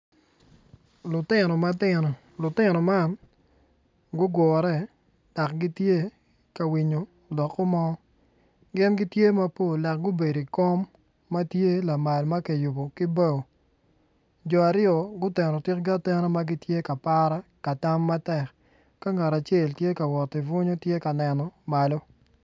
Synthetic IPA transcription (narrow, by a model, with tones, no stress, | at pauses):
lʊ˨tɪ˦˨nɔ˨ma˦tɪ˦nɔ˨ | lʊ˨tɪ˦nɔ˨ma˦n | ɡʊ˦ɡwɔ˨ɾɛ˦ | d̥a˨kɡi˦tje˦ | ka˨wi˨ɲo˨ | dɔ˨kːɔ˦mɔ˦ | ɡɪ˦nɡɪ˦tje˦ma˦po˦˨la˨k̚ɡʊ˦be˨di˨kɔ˦mː | a˦tje˦la˨ma˨lma˦ke˨ju˨bo˨ki˦bɛ˦˨o˨ | d͡ʒɔ˨a˨ɾɪjɔ˨ɡʊ˦tɛ˨nɔ˨tɪ˦kɡa˦tɛ˦nɔ˦ma˦ɡi˦tje˦ka˨pa˦ɾa˦ka˨ta˦mːa˦tɛ˨k | ka˦ŋa˨ɾa˨t͡ʃe˦˨ltje˦ka˨wɔ˨tːi˨vʊ˦ɲo˦tje˦ka˨nɛ˨nɔ˨ma˨lo˦